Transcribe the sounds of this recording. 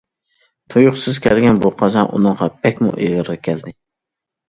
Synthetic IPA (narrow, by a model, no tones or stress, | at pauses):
t̪ʰojuχsɨz̥kʲʰɛlɡʲɛnbuqʰɑzɑnʔṵnɨŋʁɑb̥ɛkʲmṵʔejʁəɾʁɑkʲʰɛld̪ɪ